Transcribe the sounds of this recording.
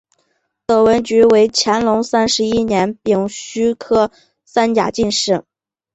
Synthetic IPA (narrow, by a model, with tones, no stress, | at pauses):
t̪ɤ˨˩wə˧˥nt͡ɕy˧˥we˧˥ɪt͡ɕʰjɛ˧˥nlʊ˧˥ŋsa˥nʂɻ̩˧˥i˥njɛ˧˥npi˨˩ŋɕy˥kʰɤ˥ | sa˥nja̰˨˩t͡ɕi˥˧nʂɻ̩˥˩